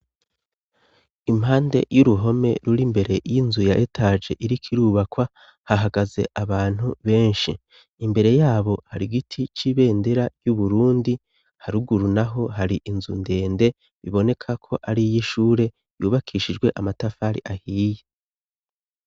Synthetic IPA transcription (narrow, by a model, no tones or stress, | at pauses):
imhɦaːnde̞̰juɾuɦo̞me̞̰ɾuɾimbe̞ɾe̞jinzujaʔetʰaːd͡ʒe̞ʔiɾikʰiɾuːβakwa | haɦaɡaze̞ʔaβaːn̥huβe̞ːnʃḭː | mbe̞ɾe̞jaːβo̞haɾiɡitʰit͡ʃiβe̞ːndeɾaɾjuβuɾuːndi | haɾuɡuɾunaɦo̞ɦaɾiʔinzṵnde̞ːnde̞ | βiβo̞ne̞kʰakʰo̞ʔaɾijiʃuːɾe̞ | juːβakʰiːʃid͡ʒɡwe̞ʔamatafaːɾḭʔahiːje